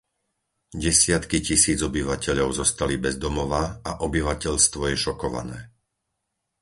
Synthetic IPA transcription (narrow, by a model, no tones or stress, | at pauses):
ɟɛsɪat̪kicisiːd͡zɔbiʋacɛʎɔʊzɔst̪alibɛzd̪ɔmɔʋaaʔɔbiʋacɛʎst̪ʋɔjɛʃɔkɔʋa̰nɛː